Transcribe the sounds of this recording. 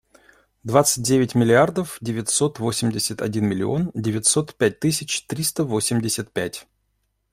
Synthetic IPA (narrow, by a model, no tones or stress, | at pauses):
d̪vat̪sɨ̥t̚ʲdʲevʲɪtʲmʲɪlʲɪard̪əfdʲɪvʲɪtʲso̞t̪vo̞sʲɪmʲdʲɪsʲət̪ɐ̰dʲinmʲɪlʲɪ̰o̞ndʲɪvʲɪtʲso̞t̪pʲæt̚ʲt̪ɨs̬ʲɪt͡ɕt̪ɾʲist̪əvo̞sʲɪmʲdʲɪsʲət̪̚pʲætʲ